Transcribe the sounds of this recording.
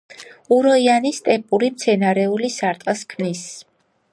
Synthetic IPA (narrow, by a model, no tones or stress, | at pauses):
uɾɔianist̪ʼɛpʼuɾimt̪sʰɛnaɾɛulisaɾt̪ʼskʰmnis